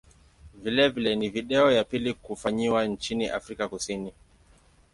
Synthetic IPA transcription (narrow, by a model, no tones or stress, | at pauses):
vilɛvilɛniviɗɛɔjapilikufaɲiwant͡ʃiniʔa̰fɾikakusini